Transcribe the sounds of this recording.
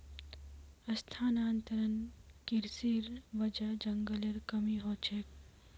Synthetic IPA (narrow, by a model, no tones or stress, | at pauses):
ɐst̪ʰaːnaːnt̪ɐɾənkɪɾsiɾʋɐd͡ʒɐd͡ʒɐŋɡəleɾkɐmiɦoːt͡ʃʰek